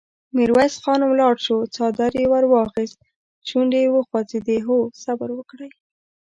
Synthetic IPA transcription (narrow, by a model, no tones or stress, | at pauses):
miɾwasxɑnmwlɑɽʃot͡sɑd̪aɾjewaɾwɑxist̪̚ | t͡ʃuɳɖewəxwɑt͡sid̪eɦosabaɾwəkɽaj